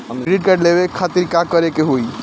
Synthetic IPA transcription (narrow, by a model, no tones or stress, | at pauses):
ɾiɖkəɖlebekʰat̪iɾkakʌɾekeɦoi